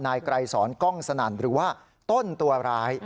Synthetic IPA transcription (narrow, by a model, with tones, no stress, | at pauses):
naː˧jkɾa˧jsɔː˩˦nkɔ˥˩ŋsa˧naː˩˦nɾɯː˩˦waː˥˩ | t̪o˥˩nt̪u˧ɐɾaː˦˥j